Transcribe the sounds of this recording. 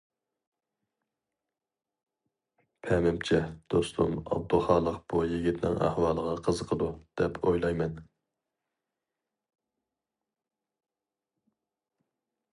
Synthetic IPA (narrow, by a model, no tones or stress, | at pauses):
pʰɛmɪmt͡ʃʰɛd̪̥ost̪ʰṵmɑ̰b̚d̪ulˠχɑːlˠəqb̥ujiɡʲit̪ʰnɪ̰ŋʔæ̰hwɑːlˠəʁɑqʰəzəqʰəd̪ud̪̥ɛpʰojlˠɑjmɛn